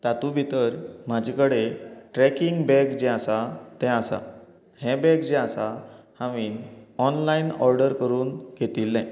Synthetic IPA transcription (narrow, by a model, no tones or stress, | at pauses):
t̪at̪ubʱit̪əɾm̤ad͡ʑʱekəɽeʈɾɛkiŋɡbɛkd͡ʑeasat̪ɛ̃asa̰ | hɛ̃bɛ̃kd͡ʑeasahãʋiːnɔnlainɔɾɖəɾkəɾuːnɡʱet̪iːlnãj